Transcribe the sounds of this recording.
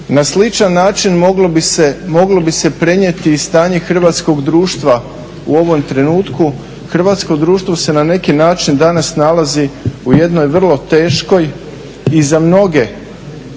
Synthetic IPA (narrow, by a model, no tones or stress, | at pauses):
naslit͡ʃanːaːt͡ʃinmɡbemo̞ɡlo̞bise̞pɾe̞ɲet̪iːst̪aːɲe̞xr̩ʋaːt̪sko̞ɡd̪ɾuːʃt̪ʋa | uo̞ʋo̞mt̪ɾe̞nuːt̪ku | xr̩ʋaːt̪sko̞d̪ɾuːʃt̪vʋo̞se̞nane̞kinaːt͡ʃind̪anasnalaziuje̞d̪no̞jʋr̩lˠo̞t̪e̞ːʃko̞j | izamno̞ɡe̞